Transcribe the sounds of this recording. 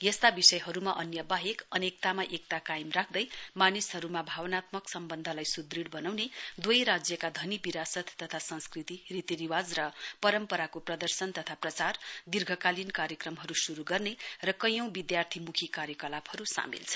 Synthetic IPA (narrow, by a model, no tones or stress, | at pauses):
jʌst̪abisʌjɦʌɾumaʔʌnjʌbaɦekʌnek̚t̪amaʔek̚t̪akajimrak̚ʰd̪ʌjmanisɦʌɾumabʱawʌnat̪mʌksʌmbʌnd̪ʱʌlajsud̪riɽbʌnawned̪wojɾad͡zjʌkad̪ʱʌnibiɾasʌt̪ːʌt̪ʰasʌ̃nskrit̪irit̪iniwad͡zrʌpʌɾʌmpʌɾakoprʌd̪ʌrsʌnt̪ʌt̪ʰaprʌt͡sard̪irɡʱʌkalinkaɾjʌkrʌmɦʌɾusuɾuɡʌrnerʌkʌjʌ̃w̃bid̪jart̪ʰimukʰikaɾjʌkʌlabhʌɾusa̰mḭlt͡sʰʌ̥